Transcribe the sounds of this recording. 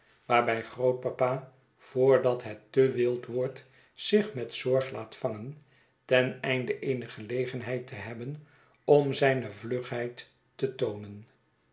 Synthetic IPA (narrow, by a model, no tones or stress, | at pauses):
ʋaːɹbɛjχrowt̚papaː | v̥ʊːɹdɑtɦɛtːəʋɪlˠtʋɔɹt | sɪχmɛtsɔɹχlaːtfɑŋən | tɛnɛjndəʔejnəχəlejχənɦɛjtəɦɛbən | ɔmzɛjnəvlɵχɦɛjtː | ətownən